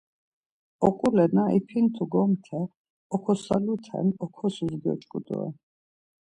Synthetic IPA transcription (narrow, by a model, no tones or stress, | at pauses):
ɔqʼulɛnaʔipʰint̪ʰuɡɔmt̪ʰɛ | ɔkʰɔsalut̪ʰɛ̰nɔkʰɔsuzɡiɔ̰t͡ʃʼkʼud̪ṵɛ̰